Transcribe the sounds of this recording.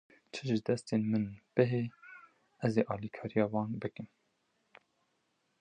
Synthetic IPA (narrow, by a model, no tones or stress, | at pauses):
t͡ʃʰəʒɨd̪ɛst̪eːnmɨnb̥ɨɦe | ɛzeːʔɑːlikʰɑːɾijɑːwɑːnbɨkɨn